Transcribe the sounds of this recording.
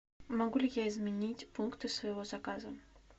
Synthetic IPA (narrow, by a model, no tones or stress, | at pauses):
mɐɡulʲɪjaɪzmʲɪnʲitʲpunkt̪ɨsvɐjɪvozɐkazə